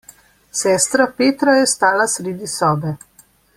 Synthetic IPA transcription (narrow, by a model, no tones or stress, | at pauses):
sɛːst̪ɾɔpeːt̪ɾɔjɛst̪aːlasɾeːd̪isɔːbɛ